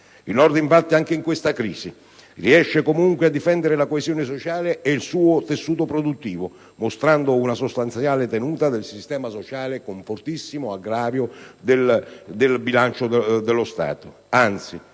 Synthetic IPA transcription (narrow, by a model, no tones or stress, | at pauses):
ilnɔrd̪iɱfat̪ːiaŋk̟eiŋkwest̪akɾḭːsi | riɛʃːekomuŋkwead̪ːifɛnd̪eɾelakoezjoːnes̬ot͡ʃaːleʔeilsuːot̪esːuːt̪opɾod̪ut̪ːiːvo | most̪ɾand̪ounasost̪ant̪sjaːlet̪enuːt̪ad̪elsist̪ɛːmasot͡ʃaːlekoɱfort̪isːimoaɡɾaːɾjod̪eld̪elbilant͡ʃod̪elːost̪a̰ːt̪o | ant̪si